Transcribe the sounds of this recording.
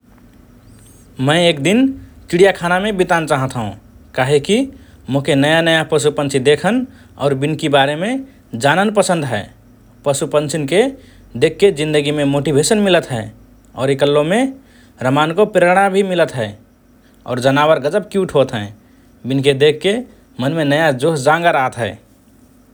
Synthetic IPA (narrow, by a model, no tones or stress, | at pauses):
mə̃ɪeːk̚d̪inkiɽijakʰanamẽbit̪ant͡ʃaːɦət̪ɦṵ̃kaɦeki | mõɦkenəjanəjapɾəsupə̃nt͡ʃʰid̪ekʰən | ɔ̰ːɾbinkibaɾemẽ | d͡ʒanənpəsə̃nd̪ɦɛː | pəsupənt͡ʃinke | d̪ekʰːed͡ʒĩnd̪əɡimẽmoːʈibʱesənmɪlət̪ɦɛː | ɔ̰ːɾekəlːõmẽ | ɾəmaːnkopɾeəɾɽ̃abʱimɪlət̪ɦɛː | ɔ̰ːɾd͡ʒənaːwəɾɡəd͡ʒəb̚kiuʈʰɦot̪ɦɛ̃ː | binked̪ekʰːe | mənmenəjad͡ʒoːsd͡ʒãŋɡaɾaɦət̪ɦɛ̰ː